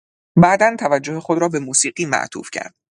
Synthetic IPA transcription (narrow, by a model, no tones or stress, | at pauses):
bæːd̪ænt̪ʰævæd͡ʒːo̞hexod̪ɾɒːbe̞muːsiːɢiːmæ̰ʔt̪ʰṵːfcʰæ̰ɾd̪̥̚